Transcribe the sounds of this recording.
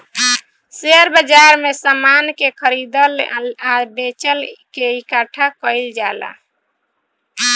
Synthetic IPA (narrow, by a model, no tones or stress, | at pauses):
seɾbəd͡ʒaɾmesamankekʰəɾid̪əllabet͡ʃəlkeikaʈʰakəɪld͡ʒala̰